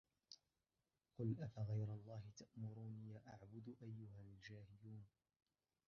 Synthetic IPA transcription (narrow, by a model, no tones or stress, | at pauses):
qʊlʔafaɣajɾalˤːɑːɦɪt̪aʔmʊɾuːnjaːʔaʕbʊd̪ʔajːʊhald͡ʒaːhɪluːn